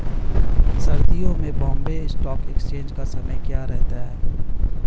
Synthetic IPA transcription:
sɐɾd̪ijõmẽbɔ̃ːmbeɪsʈɔːkekst͡ʃẽːnd͡ʒkasɐməjkjaːɾɛɦt̪aɦɛː

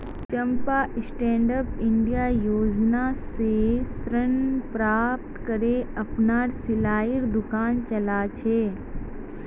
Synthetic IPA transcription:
t͡ʃɐmpaʔɪsʈẽːɳɖəpɪɳɖijajoːd͡ʒnasesɾənpɾaːp̚ʈkəɾeɐpnaːɾsɪlaːiɾd̪ʊkaːnt͡ʃɐlat͡ʃʰeː

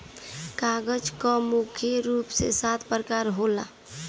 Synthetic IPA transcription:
kaɡəd͡ʒkɔmukʰjəɾuːpsḛsat̪ʰpɾəkaːɾɦola̰

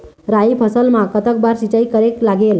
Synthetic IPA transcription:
ɾaipʰəsəlmãkət̪ək̚baɾsit͡ʃəjkːəɾeklaɡel

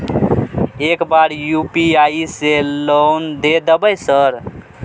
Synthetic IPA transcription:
ekbaɾjupiaiselond̪ed̪əbəjsəɾ

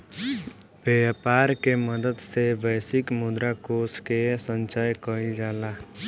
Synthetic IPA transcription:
bepaːɾkeməd̪əd̪sebɛːsɪkmʊd̪ɾakoːskesə̃nt͡ʃajkəid͡ʒaːla

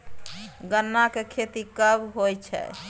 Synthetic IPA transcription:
ɡənːakekʰet̪ikəbɦojt͡ʃʰɛ̰

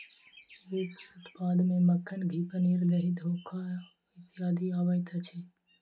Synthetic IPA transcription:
ʋikʊt̪paːd̪mẽməkʰːənɡʱiːpəniɾd̪əɦid̪ʱoːkʰːa | isjaːd̪ʱiaːʋəjt̪ʰət͡ʃʰeː

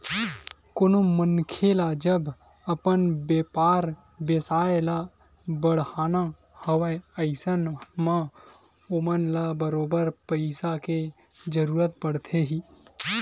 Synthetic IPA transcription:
konomənkʰelad͡ʒəb | əpənbeːpaːɾ | besaːela | bəɽ̤haːna | həwəəɪsənmã | ʊmənlabəɾoːbəɾpəɪsake | d͡ʒəɾuːɾət̪̚pəɽt̪ʰeɦiː

